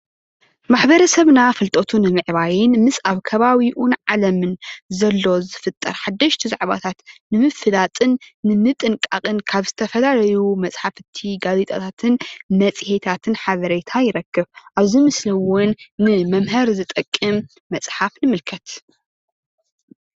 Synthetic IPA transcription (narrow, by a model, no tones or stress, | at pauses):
maħbɐɾɐsɐβnafɨlt̪ʼot̪ʰunɨmɨʕβajɪnmɨsaβkʰɐβaβiʔunʕalɐmɨnzɐlːo̞zɨfɨt̪ʼːɐɾħad̪ːɐʃt̪ʰizaʕβa̰t̪ʰat̪nɨmɨfɨlat̪ʼɨnːɨmɨt̪ʼɨŋkʼaqʼɨnkʰaβzɨt̪ʰɐfɐlalɐjumɐt͡sʼħafɨt̪ʰːiɡazet̪ʼɐt̪ʰat̪ʰɨnmɐt͡sʼhet̪ʰat̪ʰɨnħaβɐɾet̪ʰajɪɾɐkːɨβʔaβzimɨsliwɔnːɨmɐmɦɐɾzɨt̪ʼɐkʼːɨmː | ɐt͡sʼħafnɨmɨlkʰɐt̪